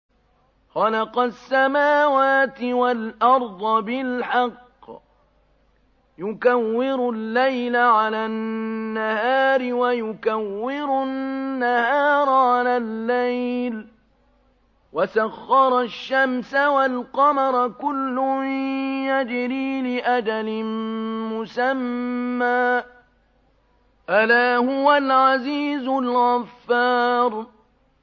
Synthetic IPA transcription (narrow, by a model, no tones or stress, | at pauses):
xɑlɑqɑsːamaːwaːt̪ɪwalʔɑɾˤd̪ˤɑbɪlħɑqː | jʊkawːɪɾʊlːajlaʕalaː | ahaːɾɪwajʊkawːɪɾʊnːahaːɾˤʕalaːlːajl | wasaɣːɑɾˤɑʃːamsawalqɑmɑɾˤkʊlːʊjad͡ʒɪɾiːlɪʔad͡ʒalɪmʊsamːaː | ʔalaːhʊwalʕaziːzʊlɣafːɑːɾˤ